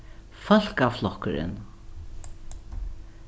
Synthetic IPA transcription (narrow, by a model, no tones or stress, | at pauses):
fœl̥kaflɔhkəɾɪ̰n